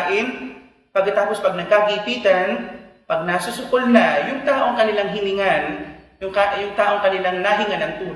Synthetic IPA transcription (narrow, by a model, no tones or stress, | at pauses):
ʔɪn | pɐɡ̚kːɐt̪aːpospɐɡ̚nɐɡ̚kaɡipiːt̪ɐnpɐɡ̚nasʊsʊkolnɐjʊŋt̪aːʔo̞ŋkɐnɪlaŋɦɪnɪŋanjʊŋkajʊŋt̪aːʔo̞ŋkɐnɪlaŋnaɦɪŋanɐŋt̪uːl